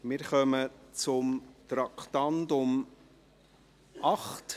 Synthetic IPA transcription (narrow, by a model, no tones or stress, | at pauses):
mɪɾχœmət͡sʊmt̪ɾɑkʰtɑntʊm | ʔɑχt